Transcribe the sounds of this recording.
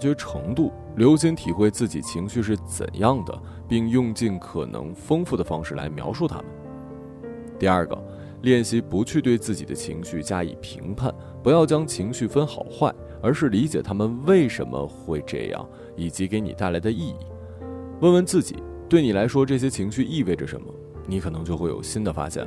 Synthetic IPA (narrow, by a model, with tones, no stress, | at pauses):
t͡ɕɥɛ˧˥ʈ͡ʂʰɤ̰˧˥ŋt̪u˥˩ | ljo˧˥ʊɕi˥nt̪ʰi˨˩xwe˥˧ɪt͡sɹ̩˥˩t͡ɕi˨˩t͡ɕʰi˧˥ŋɕy˥˧ʂ̬ɻ̩˥˩t͡sə̰˨˩njɑ˥˩ŋd̪ə̰˩ | pi˥˧ŋjʊ˥˧ŋt͡ɕi˥˩nkʰɤ˨˩nɤ̰˧˥ŋfɤ˥ŋfu˥˩d̪ə˩fɑ˥ŋʂɻ̩˥˩lʔa̰˧˥ɪmjɑ˧˥ʊʂu˥˩t̪ʰa̰˥mə˨n | t̪i˥˧ɐə˞˥˩ɡə̰˩ | ljɛ˥˩nɕi˥pu˧˥t͡ɕʰy˥˧t̪we˥˧ɪt͡sɹ̩˥˩t͡ɕḭ˨˩d̪ə˦t͡ɕʰḭ˧˥ŋɕy˥˩t͡ɕja˥ḭ˨˩pʰḭ˧˥ŋpʰa̰˥˩n | pu˧˥jɑ˥˩ʊt͡ɕjɑ˥ŋt͡ɕʰi˧˥ŋɕy˥˩fə˥nxɑ˨˩ʊxwa˥˩ɪ | ə˞˧˥ʂɻ̩˥˩li˧˥t͡ɕjɛ˨˩t̪ʰa˥mə˨nwe˥˩ɪʂə˧˥nmə̰˧xwe˥˧ɪʈ͡ʂɤ̰˥˧jɑ̰˥˩ŋ | i˨˩t͡ɕi˧˥ke˧˥ɪnḭ˨˩t̪a˥˩ɪla˧˥ɪd̪ə˧i˥˧ḭ˥˩ | wə˥˩nwə˧˥nt͡sɹ̩˥˩t͡ɕḭ˨˩˦ | t̪we˥˩ɪni˨˩la˧˥ɪʂwɔ˥ʈ͡ʂɤ˥˩ɕ̬jɛ˥t͡ɕʰi˧˥ŋɕy˥˧ʔi˥˧we˥˩ɪʈ͡ʂə˩ʂə̰˧˥nmə˧ | ni˧˥kʰɤ˨˩nɤ˧˥ŋt͡ɕjo˥˧xwe˥˩ɪjo̰˨˩ɕi˥nd̪ə˨fa̰˥ɕjɛ̰˥˩n